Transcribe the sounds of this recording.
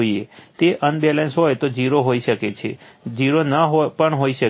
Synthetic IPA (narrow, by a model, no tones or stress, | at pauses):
oiet̪eʔənbɛlensɦojt̪od͡ʒiɾoɦoiʃəket͡ʃʰe | d͡ʒiɾonaɦopəɳɦoiʃə